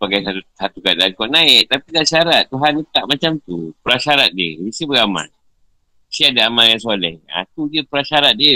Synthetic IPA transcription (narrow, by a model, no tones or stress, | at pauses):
paɡajsausat̪ukaakɔʔnaɪʔ̚t̪apidaʔsaɾat̪̚ːuɦanət̪aʔmat͡ʃamt̪upəɾaʃaɾat̪̚diə̰isiəbəɡama̰n | siadaamanjaŋsolɛha̰t̪udiəpəɾaʃaɾat̪̚diə